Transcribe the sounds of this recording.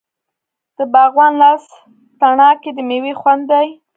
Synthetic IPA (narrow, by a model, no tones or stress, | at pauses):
d̪̥əbaɣwanlɑs | t̪aɳɑked̪əmewexwand̪ːaj